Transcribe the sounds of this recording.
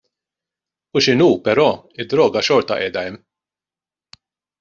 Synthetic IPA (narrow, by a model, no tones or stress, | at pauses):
uʃɪnuːpɛɾɔː | ɪd̪ːɾɔːɡɐʃɔɾt̪ɐ̰ʔɛːd̪ɐɛmː